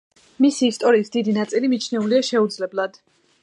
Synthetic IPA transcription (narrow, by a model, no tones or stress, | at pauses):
misiːst̪ʼɔɾiːsd̪id̪inat̪sʼilimit͡ʃʰnɛuliaʃɛud̪zlɛblˠad̪̥